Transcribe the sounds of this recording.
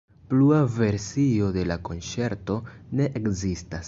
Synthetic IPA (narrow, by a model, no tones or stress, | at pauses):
pluave̞ɾsio̞de̞lako̞nt͡ʃe̞ɾto̞ne̞ʔekzistas